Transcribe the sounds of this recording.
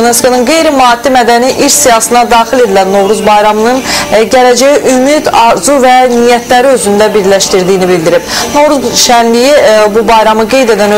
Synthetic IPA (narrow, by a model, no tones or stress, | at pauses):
oneskonɯnɡe̞jɾimɑːd̪̥ːimæd̪æniʔiɾsijɑsɯnɑd̪ɑːxile̞d̪ilænːo̞vɾuzbɑjɾɑmɯnɯnɟæɾæd͡ʒæjiʔymid̪ɑzuvænijæt̪ʰlæɾiø̞zynd̪æbiɾlæʃt̪iɾd̪ijinibild̪iɾib̥no̞vɾuzʃænlijibubɑjɾɑmɯɡe̞jd̪e̞d̪ænø